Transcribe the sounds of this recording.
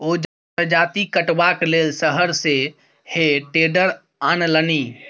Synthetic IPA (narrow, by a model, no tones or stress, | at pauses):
od͡ʒ | əd͡ʒat̪ikəʈʋaklelsəɦəɾse | heʈeɖəɾ | anləni